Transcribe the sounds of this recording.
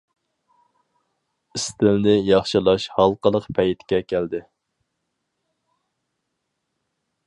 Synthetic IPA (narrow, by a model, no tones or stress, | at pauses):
ɪst̪ɪlnɪjɑχʃɨlˠɑʃhɑlˠqəlˠəqpʰɛjt̪kʲɛkʲʰæld̪ɪ